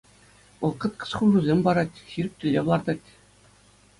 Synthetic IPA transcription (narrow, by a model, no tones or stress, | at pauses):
ʋɤ̆lˠqɤ̆t̪̚qɤ̥̆sχuʐuzʲemʲbɑɾɑtʲxʲiɾʲɘ̆k̚ʲt̪ʲɘ̆lʲːeʋlˠɑrd̪ɑtʲ